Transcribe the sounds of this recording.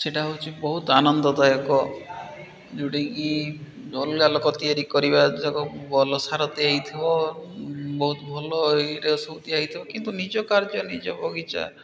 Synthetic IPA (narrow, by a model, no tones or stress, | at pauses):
seʈaɦot͡ʃʰibɔɦut̪anɔnd̪ɔd̪ajɔkɔ | d͡ʒuɽiŋki | ɔlɡalɔkɔt̪iaɾikɔɾibad͡ʒɔkɔbɔlɔsaɾɔt̪eaɦit̪ʰibɔ | bɔɦut̪ɔbʱɔlɔɾeɔsɔwt̪iaɦit̪ʰibɔkint̪unid͡ʒɔkaɾd͡ʒɔnid͡ʒɔbɔɡit͡ʃa̰